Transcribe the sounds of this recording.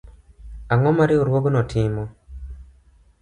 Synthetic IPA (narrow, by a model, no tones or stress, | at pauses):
aŋɔmaɾioɾwoɡnɔtʰɪmɔ